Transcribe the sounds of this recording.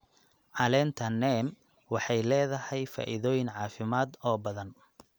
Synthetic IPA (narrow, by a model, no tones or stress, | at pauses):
ʕɑlɛnt̪ʰɐnːɛm | wɑħɑjlɛːðɐhɛjfa̰ːʔɪðɔːjɪnʕɑːfɪmaːd̪ɔːbɐðɐn